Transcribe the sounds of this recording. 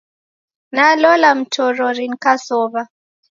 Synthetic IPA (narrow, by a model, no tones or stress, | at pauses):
nalɔlam̩tʰɔɾɔɾiŋ̩kasɔβa